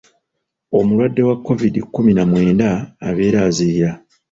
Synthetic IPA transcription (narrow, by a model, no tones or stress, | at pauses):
o̞mulwadːe̞wakːo̞vidikːuminamwe̞ːnda̰ːβe̞ːɾaːziiɾa